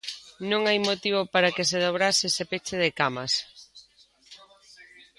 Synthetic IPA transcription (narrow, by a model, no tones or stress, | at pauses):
nõŋajmot̪iβopaɾakes̬eðoβɾasɪesepet͡ʃeð̞ɪkamɐs